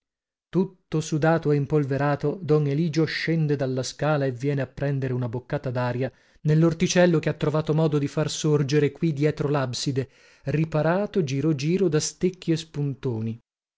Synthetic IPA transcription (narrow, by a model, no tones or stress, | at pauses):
t̪ut̪ːosud̪aːt̪oeimpolveɾaːt̪od̪ɔneliːd͡ʒoʃɛnd̪ed̪alːaskaːlaevːjɛːneapːɾɛnd̪eɾeunabokːaːt̪ad̪aːɾja | nelːort̪it͡ʃɛlːokeat̪ːɾovaːt̪omɔːd̪od̪ifarsord͡ʒeɾekwid̪jɛːt̪ɾolabsid̪e | ripaɾaːt̪od͡ʒiːɾod͡ʒiːɾod̪ast̪ekʰːiespunt̪oːni